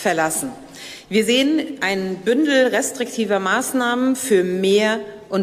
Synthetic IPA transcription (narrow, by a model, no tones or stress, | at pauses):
fɛɐlasn̩ | viːɐzeːənʔaɪnnbʏndl̩ʁɛstʁ̥ɪktʰiːvɐmaːsnaːmənfyːɐmeːɐ | ʔʊn